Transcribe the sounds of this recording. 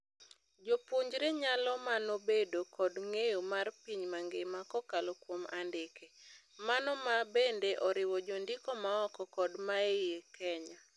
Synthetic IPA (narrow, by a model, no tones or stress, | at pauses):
d͡ʒopoɲd͡ʒɾeɲalɔmanobedokɔdŋejomarpiɲmaŋɡemakɔkalɔkwomandɪkemanɔmabendeʔɔɾɪwɔd͡ʒondɪkɔmaɔkɔkɔdmaejekɛɲa